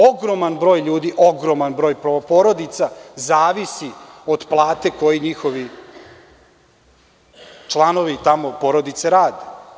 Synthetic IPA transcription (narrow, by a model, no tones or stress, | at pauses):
oɡɾo̞manbɾo̞ːjʎuːd̪iʔo̞ɡɾo̞manbɾo̞ːjpopoɾo̞d̪it̪sazaːʋisio̞d̪plˠaːt̪e̞ko̞jiɲixo̞ʋi | t͡ʃlˠano̞ʋit̪amo̞po̞ɾod̪it̪seɾaːd̪e